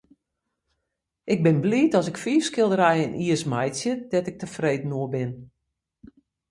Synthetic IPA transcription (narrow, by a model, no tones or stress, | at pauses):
ɪɡ̚bɪnbliːtɔsɪkfiːfskɪlˠdəɾɛjənʔiəsmɛjtsjədɛtɪk̚təfreːdn̩oəbɪn